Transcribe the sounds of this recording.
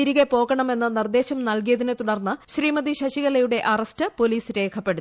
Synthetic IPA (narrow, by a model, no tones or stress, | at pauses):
iɾiɣepo̞ːɣɐɳɐme̞nːɨnird̪e̞ːɕɐmnɐlk̬ijɐðinɨt̪uɽɐrnːɨɕriːmɐd̪iɕɐɕiɣɐlɐjuɽe̞ʔɐrɐstɨpo̞liːsɾe̞ːkʰɐpːe̞ɽut̪ː